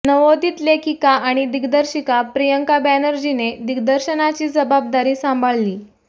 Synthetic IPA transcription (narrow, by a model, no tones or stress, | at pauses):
nəʋod̪iːt̪lekʰikaaɽ̃id̪iɡd̪əɾɕikapɾijəŋkabænəɾd͡ʑined̪iɡd̪əɾɕənat͡ɕiːd͡zəbab̚d̪aɾiːsãmbʱəɭliː